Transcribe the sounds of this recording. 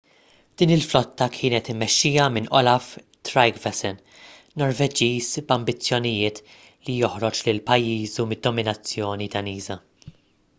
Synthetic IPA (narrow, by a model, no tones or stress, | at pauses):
d̪̥iːnɪlflɔt̪ːɐkʰɪːnɛt̪ɪmːɛʃːiːjɐmɪnʔɔlɐf | t̪ɾɐjɡvɛsɛn | nɔɾvɛd͡ʒiːzbɐmbɪt͡sːjɔnɪjɪːt̪ | lijɔħɾɔt͡ʃlɪlpɐjːiːzumɪd̪ːɔmɪnɐt͡sːjɔːnid̪ɐniːzɐ